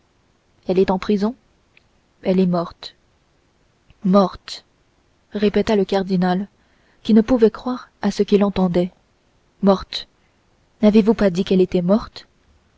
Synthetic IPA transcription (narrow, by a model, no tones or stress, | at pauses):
ɛlɛt̪ɑ̃pχizɔ̃ | ɛlɛmɔʁt̪ | mɔʁt̪ | ʁepɛt̪aləkaʁd̪inal | kʲinəpuvɛkχwaʁasəkʲilɑ̃t̪ɑ̃d̪ɛ | mɔʁt̪ | navevupad̪ikɛlet̪ɛmɔʁt̪